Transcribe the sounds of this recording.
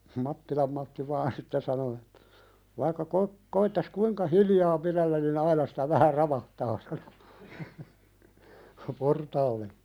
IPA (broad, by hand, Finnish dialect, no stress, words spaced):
mɑtːilɑm mɑtːi ʋɑːn sitːe sɑno etːæ̥ ʋɑikːɑ ko koitːɑs kuiŋkɑ hiljɑː piɾelːæn nin ɑinɑ si̥tæ ʋæhæ rɑʋɑhtɑː sɑno portɑːlːe